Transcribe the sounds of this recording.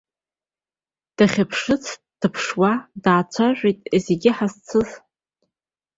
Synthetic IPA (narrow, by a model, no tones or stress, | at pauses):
d̥aχʲapʰʂɨt͡sʰ | d̥ɨpʰʂwadaːt͡sʷʰaʒʷejtʼzeɡʲɪħazt͡sʰɨz